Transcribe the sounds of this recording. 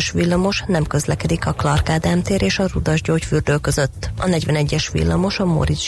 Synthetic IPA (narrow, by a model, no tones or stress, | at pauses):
ʃʋilːɒmo̞ʃnɛmkø̞zlɛkɛd̪ikɒklɒrkaːd̪aːmt̪eːɾʔeːʃɒrud̪ɒʒɟoːcfyrd̪øːkø̞zøt̪ːɒ̰nɛɟʋɛnɛɟːɛʃʋḭlːɒmo̞ʃɒmo̰ɾiz